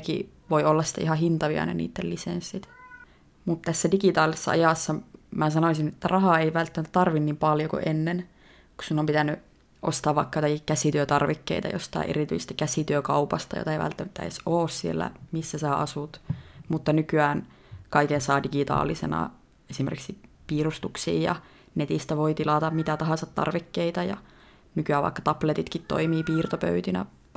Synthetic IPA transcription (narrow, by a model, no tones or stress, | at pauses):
kḭʋoiolːɑsːi̥t̪ḛʔihɑhint̪ɑʋiɑ̰nḛnḭːt̪ːelisensːit̪ | mut̪t̪æsːædikit̪ɑːlːˑise̥sːɑ̰ɑ̰jɑsːɑmæsɑnosinet̪ːærɑhɑeiʋælt̪ːæmæt̪t̪ɑrʋinnimpɑljokṵʔenːen | ku̥sinːompit̪ænːy | ʔost̪ɑːʋʋɑikːɑjot̪ɑkikkæsit̪yøt̪ɑrʋikːḛit̪ɑ̰jo̰st̪ɑ̰ˑiʔḛrit̪y̰isest̪i̥kæsit̪yøkɑupɑst̪ɑjo̰t̪ɑeiʋæ̰lt̪ːæmæt̪ːæḛsoːssielːæ̰misːæsæːɑsut̪mut̪ːɑnykyæːn | kɑikensɑːdiɡit̪ɑ̰ːlisḛnɑ̰ | esimḛrkiksi | piːrust̪uksḭːjɑ̰ | net̪ist̪æʋoit̪ilɑt̪ɑmmit̪æt̪ɑɦɑnsɑt̪tɑ̰rʋikːeit̪ɑjɑ̰ | nykyæːʋɑ̰ikːɑ̥t̪ɑplet̪it̪kit̪t̪o̰imiːpiːrt̪opø̰yt̪inæ̰